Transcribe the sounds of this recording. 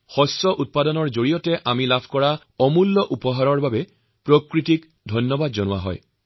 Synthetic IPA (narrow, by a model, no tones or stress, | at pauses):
xɔsɔʔut̚padɔnɔɹzoɹijɔtɛʔamilabʱkɔɹa | ɔmulːɔʔupɔɦaɹɔɹbabɛ | pɹokɹitik | dʱɔjnːjɔbadzɔnʊwa̰ɦɔ̰j